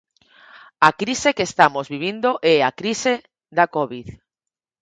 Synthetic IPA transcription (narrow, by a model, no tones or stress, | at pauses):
akɾisekest̪amozβiβind̪oʔɛakɾise | ðakɔβið